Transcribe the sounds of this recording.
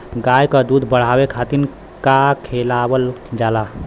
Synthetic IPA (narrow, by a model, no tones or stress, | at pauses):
ɡajkəd̪ud̪ʱbəɽ̤abekʰat̪in | kakʰelabəld͡ʒala